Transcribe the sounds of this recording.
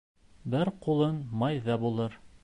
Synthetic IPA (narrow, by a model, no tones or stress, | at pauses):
bɘɾqulˠɤnmɑjðɑbulˠɤɾ